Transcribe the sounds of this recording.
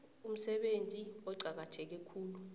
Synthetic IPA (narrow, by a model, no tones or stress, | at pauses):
um̩sɛɓend͡zʱiɔǀʱak̬atʰɛk̬ɛkʰuːlu